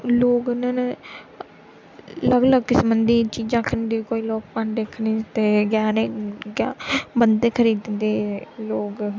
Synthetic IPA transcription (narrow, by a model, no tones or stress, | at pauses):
loːɡnaːne | ləɡləɡ̚kɪsbənd̪iːt͡ʃiːd͡ʒãːkʰəniːd̪ikoːiːloːk̚paɳɖeːkʰnit̪eːɡjaːneːɡaːbənd̪eːkʰəɾiːd̪nd̪eːloːɡ